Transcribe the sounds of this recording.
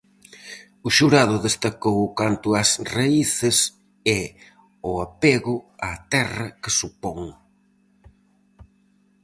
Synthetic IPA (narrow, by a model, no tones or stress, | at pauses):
ʊʃuɾaðʊðest̪akowʊkant̪ʊɐsraiθɪs | ɛ | ʊapeɣʊat̪ɛrɐkɪsupɔŋ